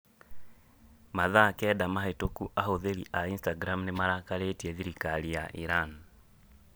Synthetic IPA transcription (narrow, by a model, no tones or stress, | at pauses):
maðakɛːdamaɦetokuʔahoðeɾiʔainstaɡɾamnemaɾakaɾetiɛðiɾikaɾijaʔiɾan